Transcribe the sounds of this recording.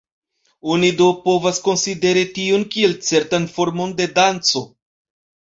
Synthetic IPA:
onidopo̞vasko̞nside̞ɾitiunkie̞lt͡se̞ɾtanfo̞ɾmo̞nde̞dant͡so̞

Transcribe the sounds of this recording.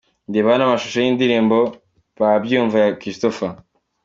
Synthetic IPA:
ndiβanamaʃuʃojiːndiɾiːmbo̞ | βabjuːɱvajakɾistofa

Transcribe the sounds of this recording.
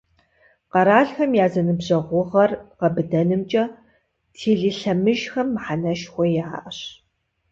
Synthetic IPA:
qɐɾaːɬxɐmjaːzɐnɨbʑɐʁʷʊʁɐrqɐbɨdɐnɨmt͡ʃʼɐ | tʰeːɮiɬɐmɨʒxɐmːħanɐʃxʷɔjaːʔɐɕ

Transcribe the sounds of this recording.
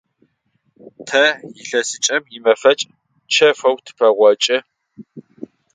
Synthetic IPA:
tʰɐjɪɬɐsɨt͡ʃʼɐmjɪmɐfɐt͡ʃʼ | t͡ʃʰɐfɐwtʰɨ̥pʰɐʁʷɔt͡ʃʼɪ

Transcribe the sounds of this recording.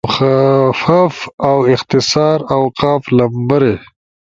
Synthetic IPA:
fafawɪxt̪ɪsɑːɾawqɑːflɐmbaɾe

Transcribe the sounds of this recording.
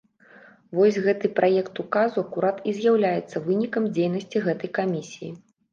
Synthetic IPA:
vɔsʲɣɛt̪ɨpɾʔajɛkt̪ukazuɐkuɾat̪izʲjawlʲajɛt̪sːɐvɨnʲikɐmd͡zʲejnɐsʲt͡sʲiɣɛt̪ɐjkamʲisʲijḭ

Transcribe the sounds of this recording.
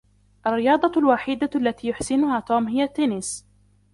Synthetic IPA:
ʔarːɪjɑːd̪ˤɑlwaħiːd̪aʔalːat̪iːjʊħsɪnʊhaːt̪uːmɦɪjat̪ːeːnɪs

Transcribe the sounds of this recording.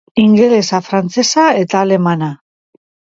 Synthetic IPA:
iŋɡele̞safɾant͡se̞sae̞t̪aːle̞mana

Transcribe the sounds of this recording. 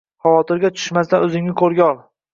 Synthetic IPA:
hawɒt̪ʰɪɾɡʲat͡ʃ̪ʰʊ̥ʃmasd̪anɵzɪŋnɪkʰoɾɡʲɒlˠ

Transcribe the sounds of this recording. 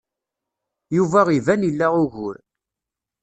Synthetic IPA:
juvæʁivænilːæʁʊʝʊ̰ɾ

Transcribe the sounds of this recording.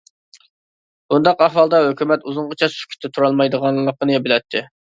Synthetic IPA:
bund̪ɑqɑχwɑlˠd̪ɑɦøkʲymɛt̪uzʊɴʁət͡ʃʰɑsʃy̥kʲʰy̥t̪ʰːɛt̪ʰuɾɑlˠmɑjd̪əʁɑnlˠːəqənɨbɪlɛt̪ʰːɪ

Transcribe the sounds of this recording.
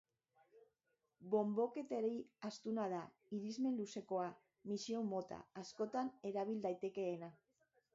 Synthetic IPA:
bo̞mbo̞ke̞t̪eɾejast̪unað̞a | iɾizme̞nluse̞ko̞a | misiomo̞t̪a̰ːsko̞t̪ane̞ɾaβild̪ajt̪e̞ke̞ːna

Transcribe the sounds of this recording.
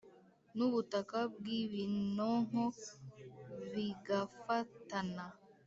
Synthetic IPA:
nuβutakab̚ɡiβinoŋ̥o | βiɡafatana

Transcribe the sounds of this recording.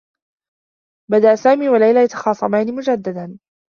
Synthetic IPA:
bad̪aʔsaːmiːwalajlaːjat̪ɑ̥xɑːsˤɑmaːnɪmʊd͡ʒad̪ːad̪an

